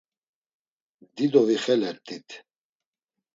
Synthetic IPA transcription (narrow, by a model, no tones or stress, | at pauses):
d̪id̪ɔviχɛlɛɾt̪ʰʼit̪ʰ